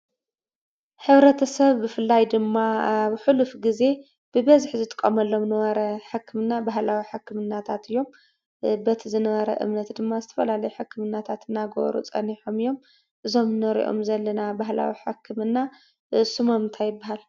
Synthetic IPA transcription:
ħɨβɾɐt̪ʰɐsɐβːɨfɨlːajd̪ɨmːaβħulufɡize̞ | b̥ɨbɐzħzɨt̪ʼɨ̥kʼːɐmɐlːo̞mnɐβɐɾɐħɨkʰːɨmɨnːabaɦlawiħɨkʰːɨmɨnːat̪ʰat̪ɨjːo̞m | bɐt̪ʰizɨnɐβɐɾɐ̰ʔɨ̰mnɐt̪d̪ɨmːazɨt̪ʰɐ̥fɐlalɐjuħɨkʰːɨmɨnːat̪ʰat̪ɨnːaɡo̰ɾo̰t͡sʼɐ̰niħomijːo̞m | ʔɨzo̞mnɐɾḭʔo̞̰mzɐlːɐnabaɦla̰wiħɨkʰːɨmɨnːa | ʔɨsumɐmɨnt̪ʰajɪbːaɦal

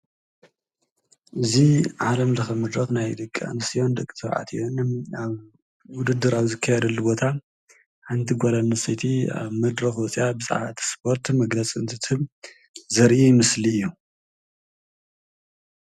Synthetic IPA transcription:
ʔɨziʕalɐmzɨxɐmɨd̪ɾɐxnajd̪ɨkʼːa̰nɨsijo̞nd̪ɐkʼːi̥t̪ʰɐʕa̰t̪ʰionaβ | wʊd̪ɨd̪ːɨɾaβzɨkʰːajɛd̪ɐlːubo̞t̪ʰa | ħɨnt̪ʰiɡʷolanɨsɐjt̪ʰia̰βmɐd̪ɾɐxwɔsʼijabɨzʼa̰ʕβat̪ʰi̥spʰo̞ɾt̪mɐɡlɐt͡sʼɨnt̪ʰɨt̪ʰɨm | zɐɾʔijɪmɨsliɨjːu

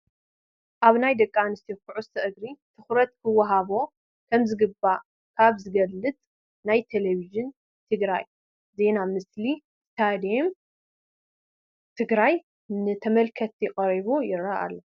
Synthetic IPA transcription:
ʔaβnajd̪ɐkʼːanɨst̪ʰikʰuʕusʰɐʔɨɡɾit̪ʰɨxɾɐt̪̚kʰɨwːɐɦaβo̞ | kʰɐmzɨɡɨba | kʰaβzɨɡɐlːɨt̪ʼ | najt̪ʰeleβiʒɨn | t̪ʰɨɡɾa̰j | ze̞namɨsli | st̪ʰad̪em | t̪ʰɨɡɾaj | nɨt̪ʰɐmɐlkʰɐt̪jɪχʼɐɾiβujɪɾaʔa̰lːo

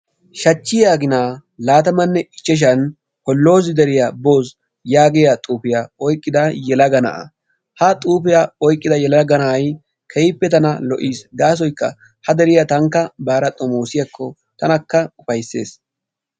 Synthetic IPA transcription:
ʃɐt͡ʃːɪjaːɡɪnaːlaːt̪ɐmɐnːɛʔɪt͡ʃːɛʃ̬ɐn | kɔlːo̞ːz̬ɪd̪ɛɾɪjabo̞ːs | jaːɡɪjat̪ʼuːpɪjaɔjkʼːɪd̪ɐjɛlɐɡɐnɐ̰ʔɐ̰ | hɐt̪ʼuːpɪjaɔjkʼːɪd̪ɐjɛlɐɡɐnɐʔɐj | kʰɛjɪpːɛt̪ɐnɐlɔʔiːsd̪aːs̬ɔjkːɐ̰ | hɐd̪ɛɾɪjɐt̪ɐŋkːɐbaːɾɐt̪ʼɔmoːsɪjɐkʰːɔ | t̪ɐnɐkːɐʊfɐjsːḛːs

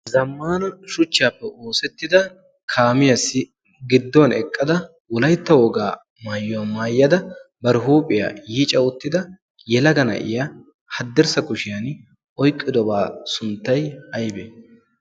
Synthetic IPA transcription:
zɐmːaːnɐʃʊt͡ʃːaːpːɛʔoːsɛt̪ːɪd̪ɐ | kʰaːmɪjɐsɪ | ɡɪd̪ːɔnɛkʼːɐd̪ɐ | wɔlɐjt̪ːɐwɔɡaː | maːjːɔmaːjːɐd̪ɐ | bɐɾɪɦuːpʼɪja̰ːjiːt͡ʃʼɐwʊt̪ːɪd̪ɐ | jɛlɐɡɐnɐ̰ʔɪ̰ja | hɐd̪ːɛɾsɐkʊʃɪjan | ʔɔjkʼːɪd̪ɔbaːsʊnt̪ːɐjɐjbeː

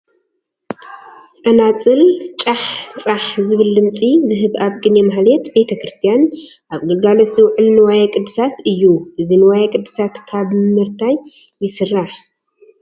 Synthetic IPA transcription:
t͡sʼɐnat͡sʼɨlt͡ʃʼaħt͡sʼaħzɨβɨlːɨmt͡sʼizɨɦɨβaβɡɨnemahlet̪be̞t̪ʰɐkɾɨst̪ʰijan | ʔaβɡɐɡalɐt̪z̥ɨwʕɨlnɨwajakʼɨd̪ːɨ̥sat̪ɨjːuʔɨzinɨwajakʼɨd̪ːɨsat̪kʰaβmɨɾt̪ʰaj | jːɪsɨrːaħ

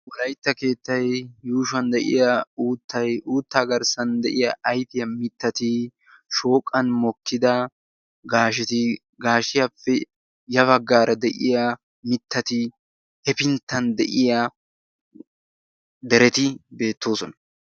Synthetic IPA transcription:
wɔlɐjt̪ːɐke̞ːt̪ːɐjːuːʃɐnd̪ɛʔɪ̰jɐuːt̪ʰːɐjʔuːt̪ːaːɡɐɾsɐnd̪ɛʔɪjɐʔɐjfɪjɐmɪt̪ːɐt̪ɪ | ʃo̞ːkʼːɐnmɔkːɪd̪ɐ | ɡaːʃɛt̪ɪ | ɡaːʃɪjɐpːɛ | jɐβɐɡːaːɾʔɐd̪ɛʔɪjɐ | mɪt̪ʰːɐt̪ɪ | hɛpɪnt̪ːɐnd̪ɛʔɪjɐ | d̪ɛɾɛt̪ɪbe̞ːt̪ːo̞ːsɔnɐ̥

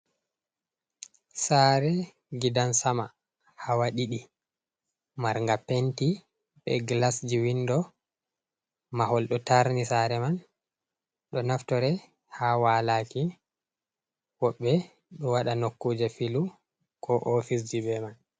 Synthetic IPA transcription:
saɾɛ | ɡidansama | hawaɗiɗi | maɾŋɡapenti | ɓɛ̰ɡlasd͡ʒiwindɔ | mahɔlɗɔtaɾnisaɾɛman | ɗɔnaftɔɾɛ | hawaːlaki | wɔɓːɛ | ɗɔwaɗanokːuːd͡ʒɛfilu | kʰɔʔɔfis̬d͡ʒibɛman

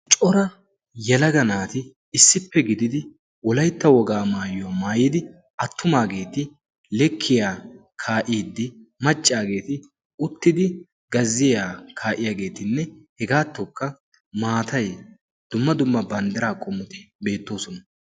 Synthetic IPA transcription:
t͡ʃʼɔɾɐ | jɛlɐɡɐnaːt̪ɪ | ɪsːɪpːɛɡɪd̪ɪd̪ɪ | wɔlɐjt̪ːɐwɔɡaːmaːjʊamaːjɪd̪ɪ | ɐt̪ːʊmaːɡe̞ːt̪ɪ | lɛkʰːɪjaː | kʰaːʔiːd̪ːɪmɐt͡ʃʼːaːɡe̞ːt̪ɪ | ʊt̪ːɪd̪ɪ | ɡɐzːɪjaːkʰaːʔɪjaːɡe̞ːt̪ɪnːɛhɛɡaːt̪ːɔkːɐ | maːt̪ɐj | d̪̥ʊmːɐd̪ʊmːɐbɐnd̪ɛɾaːkʼɔmːʊt̪ɪ̥be̞ːt̪ːo̞ːsɔnɐ

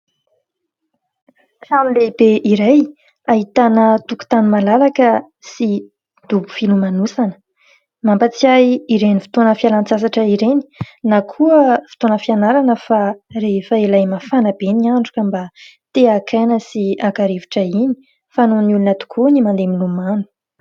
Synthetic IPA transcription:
samilebeʔiɾaj | aɦit̪anət̪uku̥t̪animalalakə | si | d̪ubu̥filumanusanə̥ | mampat͡siajiɾenifi̥t̪onəfialant͡sasaʈ͡ʂəiɾeni̥nakʰuəfi̥t̪onəfianaɾanəfarefəelajmafanabeniaɳɖ͡ʐukʲəmbat̪eakʰajnəsiakaɾevi̥ʈ͡ʂəini̥ | fanonulunət̪u̥kʰunimand̪emilumanu̥

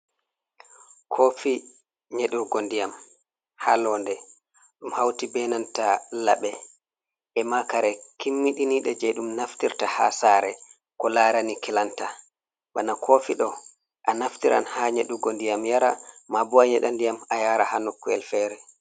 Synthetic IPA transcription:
kʰofi | ɲeɗuɾɡondijam | halɔːndɛ | ɗumhawtibɛnantala̰ɓɛ | ʔɛmakaɾɛkimːiɗiniɗɛd͡ʒɛɗumnaftiɾtaha̰saɾɛ | kɔlaɾanikɛlanta | ɓanakʰoːfiɗɔ | ʔanaftiɾʔa̰nhaɲeɗuɡondijamjaɾamabuaɲɛɗandijamajaɾahanokːuɛ̰lfɛːɾɛ

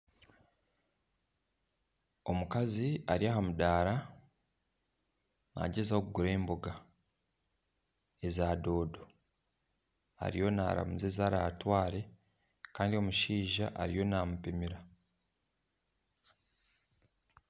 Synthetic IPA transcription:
o̞mukaziaɾiaːhamudaːɾa | na̰ɟezaokuɡuɾe̞ːmboɡa | e̞zaːdo̞ːdo̞ | a̰ɾijo̞na̰ːɾa̰muzezaːɾatwaːɾe̞ | kaːndio̞muʃiːʒa̰ʔaɾijo̞namupimiɾa

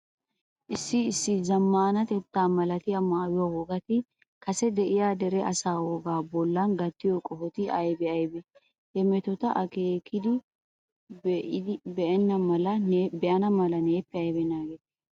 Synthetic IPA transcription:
ʔɪsːɪːsːɪzɐmːaːnɐt̪ɛt̪ːaːmɐlɐt̪ɪjɐmaːwɪwawɔɡɐt̪ɪ | kɐsɛd̪ɛʔɪjaːd̪ɛɾɛʔɐsaːwɔɡaːbɔlːɐnɡɐt̪ːɪjɔkʼɔfɔt̪ɪɐjbɛɐjbɛ | hɛmɛt̪ɔt̪ɐʔɐkeːkʰɪd̪ɪ | bɛʔɐnːɐmɐlɐbɛʔɐnɐmɐlɐneːpːɛɐjbɛnaːɡeːt̪

